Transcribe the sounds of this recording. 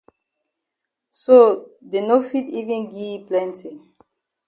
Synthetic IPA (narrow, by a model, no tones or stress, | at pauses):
sodenofitivɛ̃nɡiplɛ̃ntĩ